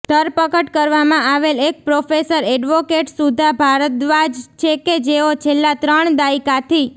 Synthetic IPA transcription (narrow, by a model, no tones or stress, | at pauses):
d̪̥ʱəɾpəkəʈkəɾʋamãaʋelek̚pɾofesəɾɛɖʋokeʈsud̪ʱabʱaɾət̪ʋad͡ʒt͡ʃʰeked͡ʒeot͡ʃʰelːat̪ɾəɳd̪aikat̪ʰi